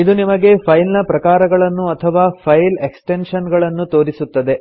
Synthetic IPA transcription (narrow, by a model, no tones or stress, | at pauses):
id̪unimɐɡe̞pʰɐjlnɐpɾɐkaːɾɐɡɐɭɐnːuɐt̪ʰɐʋaːpʰɐjleksʈenʂɐnɡɐɭɐnːut̪o̞ːɾisut̪ːɐd̪e̞